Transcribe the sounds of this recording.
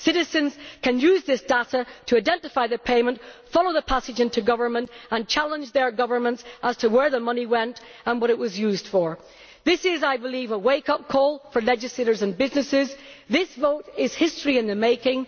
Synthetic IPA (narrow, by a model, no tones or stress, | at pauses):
sɪɾɨzɨ̃nz̥kʰɨ̃njʉzðɪsd̥aɾəɾʰəaɪdɛ̃ntɨfaɪðɨpʰeɪmə̃ntfɑlˠoʊðəpʰasɨd͡ʒɪ̃ntʰʉɡʌvə˞mə̃ntə̃nt͡ʃʰalˠə̃nd͡ʒðə˞ɡʌvə˞mə̃ntsʔəz̥tʰəwə˞ðəmʌniwɛ̃nt | ə̃nwʌɾɨʔ̚wʌzjʉzd̥fə˞ | ðɪsɪzaɪbəlˠivəweɪkʌp̚kʰɔlˠfə˞lɛd͡ʒɨsleɪɾə˞zə̃nbɪznɨsɪzðɪsvoʊɾɪz̥hɪstɹ̥iɨ̃nðɨmeɪkɪ̃ŋ